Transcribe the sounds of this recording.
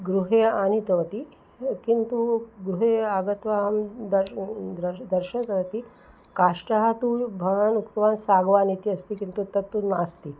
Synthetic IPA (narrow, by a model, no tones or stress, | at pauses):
ɡɾuɦeanit̪ɐʋɐt̪i | kint̪uɡɾuɦeaɡɐt̪ʋaɦɐmd̪ɐɾd̪ɾɐd̪ɐɾʃɐt̪ɐʋɐt̪i | kaːʂʈɐɦat̪ubʱaanukt̪ʋaːnsaːɡʋaːnit̪iɐst̪ikint̪ut̪ːɐt̪ːunmaːst̪i